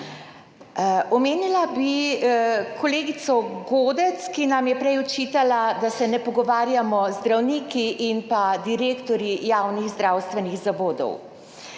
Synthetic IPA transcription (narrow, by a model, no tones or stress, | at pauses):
ɔmeːnilabi | kʰɔleːɡit̪sɔɡoːd̪ɛt̪skinamjɛpɾɛjɔt͡ʃiːt̪alad̪asɛnɛpɔɡɔʋaːɾjamɔzd̪ɾawniːkiʔinpad̪iɾeːkt̪ɔɾjijaːwniɣzd̪ɾaːwst̪ʋɛnixzaʋoːd̪ɔ̰w